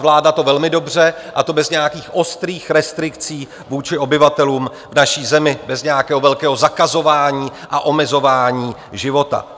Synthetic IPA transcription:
vlaːdat̪o̞vɛlmɪdo̞br̝ɛʔat̪o̞bɛzɲɛjakiːxʔo̞st̪ɾiːxɾɛst̪ɾɪkt͡siː | vuːt͡ʃɪo̞bɪvat̪ɛluːm | vnaʃiːzɛmɪbɛzɲɛjakɛːɦovɛlkɛːɦozakazo̞vaːɲiːʔaʔo̞mɛzo̞vaːɲiː | ʒɪvo̞t̪a̰

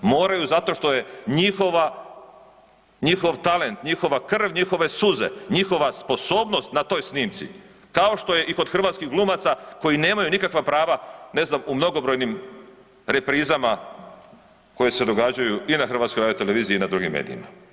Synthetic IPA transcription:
mo̞ːɾajuzat̪o̞ʃt̪o̞je̞ɲixo̞ʋa | ɲixo̞ʋt̪ale̞nt̪ɲixo̞ʋakr̩ʋɲixo̞ʋe̞suze̞̰ɲixo̞ʋaspo̞so̞ːbno̞st̪nat̪o̞ːjsniːmt̪sḭ | kao̞ʃt̪o̞jeʔiko̞d̪xr̩ʋat̪skiɦɡlˠumat̪sako̞jine̞ːmajunikakʋapɾaːʋane̞znamumno̞ɡo̞bɾo̞jnim | ɾe̞pɾiːzama | ko̞je̞se̞d̪o̞ɡad͡ʑajuinaxr̩ʋat̪sko̞jɾad̪jot̪eleʋiːziːnad̪ɾuɡḭmːḛːd̪ḭḭma̰

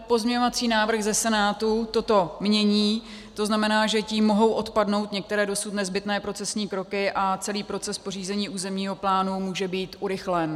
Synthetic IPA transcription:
po̞zmɲɛɲovat͡siːnaːvr̩ɣzɛsɛnaːt̪ut̪o̞t̪o̞mɲɛɲiː | t̪o̞znamɛnaːʒɛciːmːoɦo̞wʔo̞t̪padno̞wt̪ɲɛk̚t̪ɛɾɛːdo̞sut̪nɛzbɪt̪nɛːpɾo̞t͡sɛsɲiːkɾo̞kɪʔat͡sɛliːpɾo̞t͡sɛspor̝iːzɛɲiːʔuːzɛmɲiːɦo̞plaːnumuːʒɛbiːt̪ʔuɾɪxlɛn

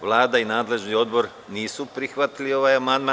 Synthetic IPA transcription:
ʋlˠaːd̪ainaːd̪le̞ʒnio̞d̪bo̞ɾ | niːsupɾixʋat̪ilio̞ʋajamand̪ma

